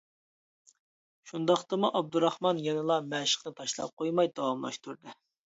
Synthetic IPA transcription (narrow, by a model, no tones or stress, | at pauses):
ʃund̪ɑχt̪ɨmuʔɑb̚d̪uɾɑχmɑnjɛnɨlˠɑmɛʃə̥qnɨt̪ʰɑʃlˠɑ̰p̚qʰojmɑjd̪ɑwɑmlˠɑ̰ʃt̪uɾd̪ɨ